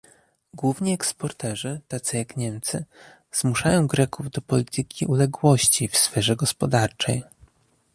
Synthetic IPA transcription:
ɡwuvɲiɛkspɔɾt̪ɛʐɘt̪at̪sɘjakɲɛmt̪sɘ | z̥muʂajɔ̃w̃ɡɾɛkuvd̪ɔpɔlʲit̪ɘkʲiʔulɛɡwɔɕt͡ɕifsfɛʐɛɡɔspɔd̪aɾt͡ʂɛj

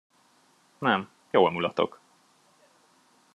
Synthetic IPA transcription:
nɛm | joːlmulɒt̪o̞̰k

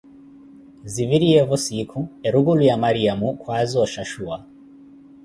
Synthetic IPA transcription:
ziviɾiɛvɔsikʰuɛɾuɣulujamaɾiamukʰwazɔʃaʃua

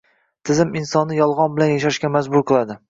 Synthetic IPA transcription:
t̪ʰɪzɪmɪnsɒnːɪjɒlˠʁɒnbɪlanjaʃaʃkʲamazbʊɾqʰɨlˠad̪ɪ

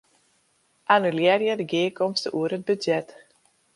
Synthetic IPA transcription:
ʔanyljɛːrjɛdəɡiːəkɔmstəʔuəɾɦət̚bydzjɛt

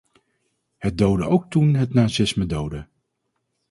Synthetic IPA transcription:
hət̚dowdəʔowk̚tunɦətnaːsɪsmədowdə

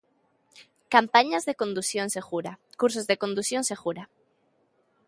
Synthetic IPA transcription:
kampaɲazðekond̪usjõnseɣuɾakuɾsozðekond̪usjonseɣuɾa

